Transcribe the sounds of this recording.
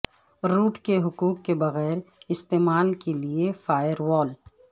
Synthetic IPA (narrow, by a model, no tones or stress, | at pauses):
ɾuːʈkeɦʊkuːkːebɐɣɛːɾɪst̪eːmaːlkeliefaːjəɾwɔːl